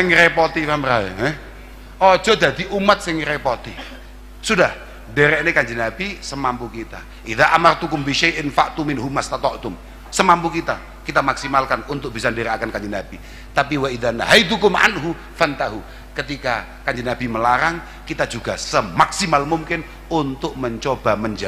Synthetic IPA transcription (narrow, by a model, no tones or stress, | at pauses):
sɪŋɾepot̪ifaməɾaɛ̰ɦɛ | ɔ̥d͡ʒ̥ɔd̪ad̪iʔumat̪̚sɪŋɾepot̪i | sudah | deɾɛʔnekaɲd͡ʒinab̥isəmampukit̪a̰ | ʔiðaʔamart̪ukʊmbiʃajʔɪnfaʔt̪umɪnɦumast̪at̪ɔʔt̪ʊm | səmampukit̪a | kit̪amaksimalkanunt̪ʊk̚b̥isandeɾɛʔakankaɲd͡ʒinab̥i | t̪apiwaiðanɦajt̪̬ukʊmʔa̰nɦu | fant̪aɦu | kət̪ika | kaɲd͡ʒinab̥iməlaɾaŋ | kit̪ad͡ʒuɡasəmaksimalmumkɪn | unt̪ʊk̚məɲt͡ʃob̥aməɲd͡ʒa